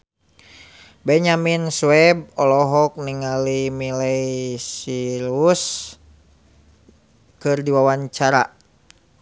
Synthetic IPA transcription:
bɛɲaminsuwɛb̚ɔlɔɦɔk̚niŋalimilɛisiɾus | kɨrdiwawaɲt͡ʃaɾa

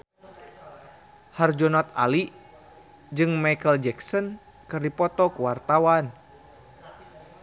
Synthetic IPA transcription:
hard͡ʒɔnɔt̪a̰li | d͡ʒɨŋmajkəld͡ʒɛksɔn | kɨrdipɔt̪ɔkuwart̪awan

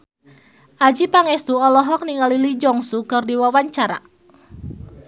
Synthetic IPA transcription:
ʔad͡ʒipaŋɛst̪uɔlɔɦɔk̚niŋalilid͡ʒɔŋsukɨrdiwawaɲt͡ʃaɾa̰

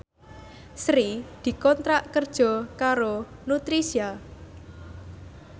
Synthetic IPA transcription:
sɾid̪̥i̤kɔnt̪ɾaʔkərd̥ʒ̥ɔ̤kaɾonut̪ɾisia

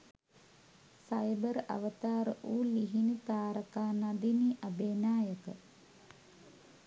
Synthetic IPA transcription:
sajbəɾɐ̰ʋət̪aːɾəʔuːliɦinit̪aːɾəkaːnad̪iniʔabeːnaːjəkə

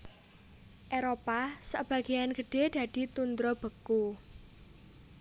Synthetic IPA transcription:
ʔeɾopasa̰b̥ä̤ɡ̥ejanɡ̥əɖ̥e̤d̪̥ä̤d̪̥i̤t̪und̪ɾɔb̥ə̤ku

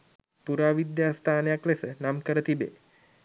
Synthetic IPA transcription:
puɾaːʋid̪jaːst̪ʰaːnəjaklesənamkəɾət̪ibḛː

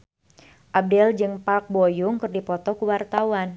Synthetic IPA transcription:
ʔab̚dɛld͡ʒɨŋpak̚bojuŋkɨrdipɔt̪ɔkuwart̪awan

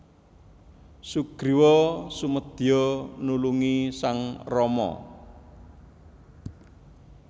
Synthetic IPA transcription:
suɡ̥ɾiwɔsuməd̪̥i̤ɔnuluŋisaŋrɔmɔ̰

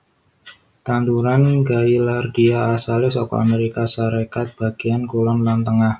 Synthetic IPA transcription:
t̪ant̪uɾanɡailardiaːsalɪsɔkɔ̰a̰meɾikasaɾekat̪̚b̥aɡ̥iankolɔmlant̪əŋah

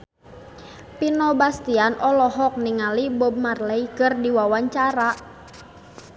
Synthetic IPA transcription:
pinɔbast̪ianʔɔlɔɦɔk̚niŋalibob̚marlɛikərdiwawaɲt͡ʃaɾaʔ

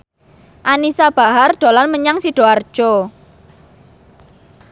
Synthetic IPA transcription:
ʔanisab̥a̤ɦarɖ̪̥o̤lanməɲaŋsiɖ̥o̤ard̥ʒ̥ɔ

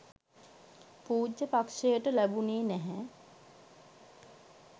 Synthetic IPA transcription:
puːd͡ʒːəpakʂejəʈəlæbuneːnɛɦɛ

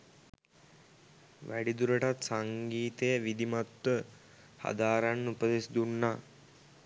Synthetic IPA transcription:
ʋæɖid̪uɾəʈat̪saŋɡiːt̪ejəʋid̪imat̪ʋə | ha̰d̪aːɾanːupəd̪esid̪unːaː

